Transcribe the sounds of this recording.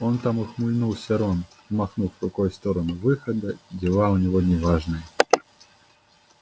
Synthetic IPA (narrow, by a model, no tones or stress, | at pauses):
ɔnt̪amɔxmujnuwsʲaɾɔn | maxnufɾʊkɔjst̪ɔɾɐnɨvɨxɐd̪ɐdʲɛlˠawnʲɛɣɔnʲɛvaʐnɨj